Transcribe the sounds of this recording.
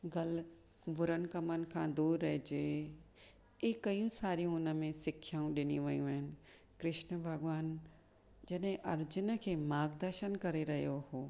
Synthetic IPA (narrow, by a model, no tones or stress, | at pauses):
ɡɐl | kbʱʊɾən̆kɐmənɪ̆kʰãːd̪uːɾːɐɦd͡ʑeː | eːkːɐjũsaːɾijũʊnəmẽsɪkʰːjaːũɗɪniʋɐjũɐɦɪnɪ̆ | kɾɪʃnəbʱɐɡʋaːn | d͡ʑɐɗɦɪ̃ʔɐɾd͡ʑʊnəkʰeːmaːɡd̪əɾʃənkɐɾeɾɐɦijohoː